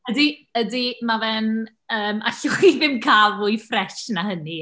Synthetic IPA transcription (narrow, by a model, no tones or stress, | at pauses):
ədiədimavɛn | əːma̰ɬʊivɪmkʰavʊjfrɛʃnahəni